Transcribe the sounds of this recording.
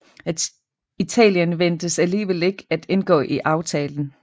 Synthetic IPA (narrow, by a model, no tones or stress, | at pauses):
æd̥ | it͡sʰɛ̰ːljənʋen̰d̥əsæliːʋel̰e̝ɡ̥æd̥e̝nɡ̥ɔ̰̽ːʔiʔɑ̈ʊt͡sʰɛːln̩